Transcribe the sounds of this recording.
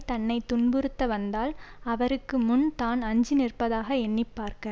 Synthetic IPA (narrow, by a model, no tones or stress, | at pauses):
t̪ɐnːɐɪt̪ːʊɳbɯɾɯt̪ːɐʋɐnd̪aːlɐʋɐɾɯkːɯmʊnt̪aːnɐɲd͡ʒɪnɪrpɐðaːɣɐɛɳːɪpːaːɾkɐ